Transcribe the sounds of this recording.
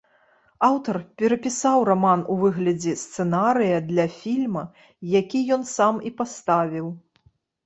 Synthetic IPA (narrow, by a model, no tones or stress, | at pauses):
awt̪ɐrpʲɛɾɐpʲisawramanuvɨɣlʲɐd͡zʲɛst̪sɨnaɾɨjɐd̪lʲɐfʲilʲmɐ | jakʲijɔnsamipast̪avʲiw